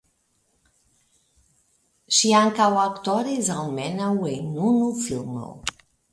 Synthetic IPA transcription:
ʃiaŋkawakt̪ɔɾizawmɛnawenunufilˠmo̰w

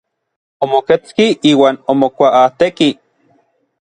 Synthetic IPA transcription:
omoket͡skiiːwaːnomokʷaʔat̪eki

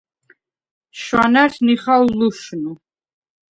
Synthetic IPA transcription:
ʃwanaɾniχawluʃnu

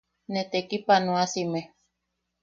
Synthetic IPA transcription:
net̪ekipanũasime

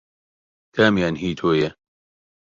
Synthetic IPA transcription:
kʰaːmjaːnɦiːt̪ʰoːjɛ

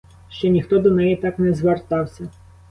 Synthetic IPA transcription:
ʃt͡ʃɔnʲixt̪ɔd̪ɔnɛjit̪ɑknɛzʋert̪ɑwsʲɐ

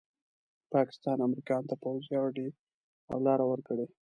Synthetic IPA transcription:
pɑkɪ̥st̪ɑnamɾikɑnt̪apawzjawɖe | a̰wlɑɾawəɾkəɽe

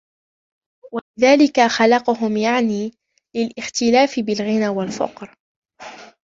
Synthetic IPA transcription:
walɪðaːlɪkaxɑlɑqʊɦʊmjaʕniː | lɪlʔɪxt̪ɪlaːfɪbɪlɣɪnaːwalfɑ̰qɾ

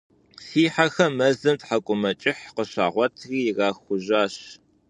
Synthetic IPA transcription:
siːħaxɐmɐzɨmtħakʷʼʊmɐt͡ʃʼɪħqəɕa̰ːʁʷɔtʰɣiːjɪɣaːxʷʊʑaːɕ

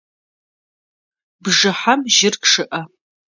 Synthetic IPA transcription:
bʐɨħamʒɪrkʂɨʔɐ

